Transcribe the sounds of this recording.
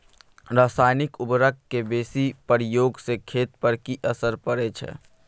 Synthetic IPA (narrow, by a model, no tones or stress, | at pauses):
ɾaːsaːjnɪkʊbɾəkkːebeːsipəɾjoːɡsekʰeːt̪pəɾkiʔəsəɾpəɾet͡ʃʰɛ̰